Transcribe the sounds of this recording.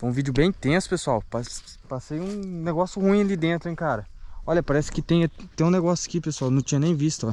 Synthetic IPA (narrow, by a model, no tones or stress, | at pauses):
fojũvid͡ʒʊbẽj̃t̪ẽsʊ̥pesuawpas | pasejũneɡɔsjʊhũĩɐlid̪ẽnt̪ɾʊẽj̃kaɾɐɔʎʲɐpaɾɛsɪ̥kɪt̪ẽj̃ɐt̪ẽj̃ũneɡɔsjɐ̥kipesuawnɐ̃w̃t͡ʃĩɲɐnẽj̃vist̪ʊ